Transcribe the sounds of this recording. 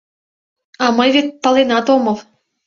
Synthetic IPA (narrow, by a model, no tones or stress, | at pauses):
ɑmɤjvet̪̚pə̆lˠenɑt̪omɤl